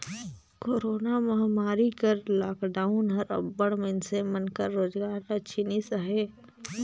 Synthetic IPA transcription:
koːɾoːnamɐɦmaːɾikəɾlaːkɖaːʊnɦɐɾɐ̰bːəɽ̃mensemɐnkəɾːoːd͡ʒɡaːɾɐt͡ʃʰinisəɦeː

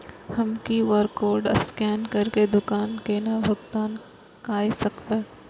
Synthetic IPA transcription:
hɐmkiʋəɾkoːɾɖɐ̰skɛːnkɐɾked̪ʊkaːnkenaʋɐkt̪aːn | kaːisɐkbeː

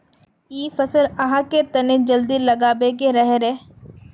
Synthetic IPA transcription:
iːfɐsəlɐɦãket̪ɐned͡ʒɐld̪ilɐɡaːbek̬eɾɐɦɾeː

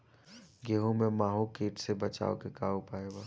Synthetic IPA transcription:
ɡeːɦõmẽmaːɦõkeːʈsebɐt͡ʃa̰ːokekaːopaːewaː

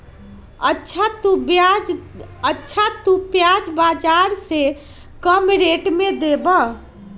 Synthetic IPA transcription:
ətːʃʰat̪ba | ətːʃʰat̪upjad͡ʒbad͡ʒaɾse | kəmɾeʈmed̪ebə

